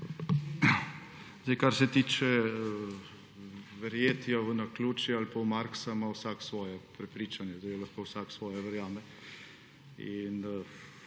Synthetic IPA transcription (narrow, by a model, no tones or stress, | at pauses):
zd̪ejkaɾsɛt̪iːt͡ʃɛ | ʋɛɾjeːt̪jaʋənakluːt͡ʃjɛalpawmaɾksamawsaksʋɔːjɛpɾɛpɾiːt͡ʃanjɛt̪ojolaxkowsaksʋɔːjɛʋɛɾjaːmɛ | in